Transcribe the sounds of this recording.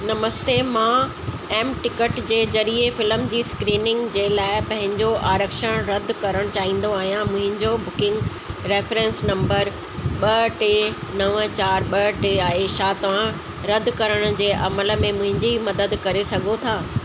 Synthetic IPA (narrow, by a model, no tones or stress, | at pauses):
nɐməst̪emã | ɛːmʈɪkəʈd͡ʑeːzɐɾiefɪləmd͡ʑiːskɾiːnɪ̃ŋɡd͡ʑeːlaːɪpɐ̃ɦɪ̃ɲd͡ʑoʔaːɾəkʃəɽ̃ɾɐd̪ʱkɐɾəɽ̃t͡ɕaːɦĩːn̆d̪oaːɦijãmʊ̃ɦɪ̃ɲd͡ʑobʊkɪ̃ŋɡ | ɾeːfɾɛ̃nsnɐ̃mbəɾ | ɓɐʈeːnɐʋət͡ɕaːɾɓɐʈeːaːɦeʃaːt̪ɐʋ̤ã | ɾɐd̪ʱkɐɾəɽ̃ʊ̆d͡ʑeːʔɐmələ̆mẽmʊ̃ɦɪ̃ɲd͡ʑimɐd̪əd̪kɐɾesɐɡʱot̪ʰaː